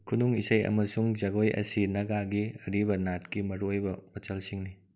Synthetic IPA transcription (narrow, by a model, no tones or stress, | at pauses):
kʰunuŋisɐjɐ̰mɐsuŋd͡ʒɐɡojʔɐ̰sinɐɡaɡiɐɾiβɐnat̚kimɐɾuojbɐmɐt͡ʃɐlsiŋni